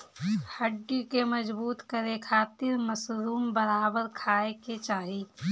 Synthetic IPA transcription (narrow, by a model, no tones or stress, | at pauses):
həɖːikemɐd͡ʒbuːt̪kəɾekʰaːt̪ɪɾmɐsɾuːmbəɾaːbəɾkʰaːeket͡ʃaːɦi